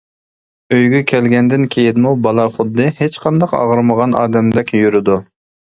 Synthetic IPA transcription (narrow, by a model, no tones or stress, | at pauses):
øjɡʲɛkʲʰɛlɡʲɛnd̪ɪnkʲʰejɪnmubɑlˠɑχʊd̪ːɨhet͡ʃqʰɑnd̪ɑqɑ̰ʁəɾməʁɑnɑ̰ːd̪ɛmd̪ɛkʲjyɾɪd̪u